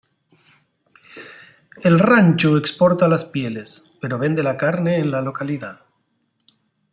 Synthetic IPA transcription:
elrant͡ʃuekspo̞ɾt̪alaspje̞le̞spe̞ɾoβ̞e̞nd̪e̞lakaɾne̞ːnlalo̞kaliða

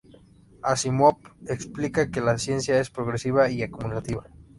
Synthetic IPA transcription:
asimwop̚eksplikake̞lasje̞nsjae̞spɾo̞ɣɾesiβaiakumulat̪iβa

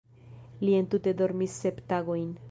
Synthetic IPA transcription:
lie̞ntute̞do̞ɾmisːe̞ptaɡo̞jn

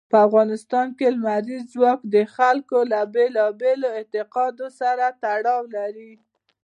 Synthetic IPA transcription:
pəafɣɑnɪst̪ɑnkelmaɾizzwɑkd̪əxalkolabelɑbeloɪnt̪ɪqɑd̪osaɾat̪aɽɑwlaɾi

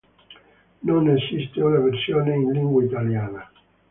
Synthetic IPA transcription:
nonesist̪ionaversjoːneinliŋɡweit̪aljaːna

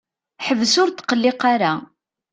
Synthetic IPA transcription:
ħəvəsʊɾt̪ːqəlːɪqaɾa

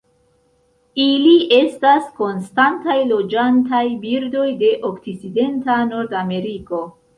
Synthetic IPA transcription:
iliʔe̞stasko̞nstantajlo̞d͡ʒantajbiɾdo̞jde̞ʔo̞kt͡sit͡side̞ntano̞ɾdame̞ɾiko̞

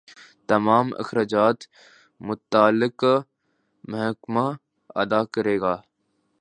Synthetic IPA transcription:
t̪ɐmaːmɐ̰xɾaːd͡ʒaːt̪ | mʊt̪aːlɪk | mɐɦkma | ɐ̰d̪aːkəɾeːɡaː

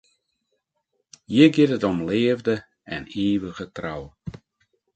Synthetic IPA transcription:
jɪɡɪtətɔmleːəvdə | ɛneːʋəɣətra̰w

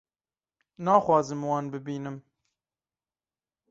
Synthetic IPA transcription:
nɑːxwɑːzɨmwɑːnbɨbiːnɨm

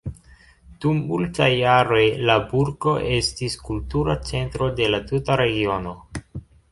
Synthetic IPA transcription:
d̥umːultajːaɾo̞jlabuɾɡo̞ʔe̞stiskultuɾat͡se̞ntɾo̞de̞latutaɾe̞ɡio̞no̞

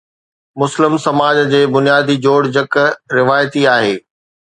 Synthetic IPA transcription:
mʊslɪmsɐmaːd͡ʑd͡ʑeːbʊnijaːd̪id͡ʑoːɽd͡ʑɐkɾɪʋaːjt̪iaːɦeː

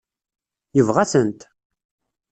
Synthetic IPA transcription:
jəvʁæsənt̪

